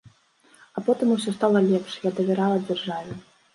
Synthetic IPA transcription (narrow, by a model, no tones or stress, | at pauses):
apɔt̪ɨmusʲɔst̪alˠɐlʲɛpʂjad̪ɐvʲɛɾalˠɐd͡zʲarʐavʲɪ